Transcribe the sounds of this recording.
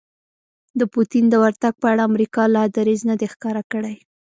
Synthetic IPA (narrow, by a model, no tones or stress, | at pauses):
d̪əput̪ind̪əwaɾt̪aɡ̚pəaɽaːmɾikɑlɑd̪aɾiznad̪exkɑɾakəɽaj